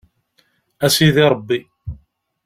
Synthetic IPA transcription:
æsiðiɾˤəbːi

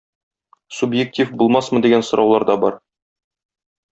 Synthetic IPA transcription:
subjek̚tʲifbulˠmɑsmɤ̆d̪iɡænsŏɾʔɑwlˠɑɾd̪ɑbɒɾ

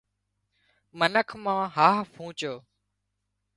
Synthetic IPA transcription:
mənəkʰmãːɦaːɦpʰũːt͡ʃoː

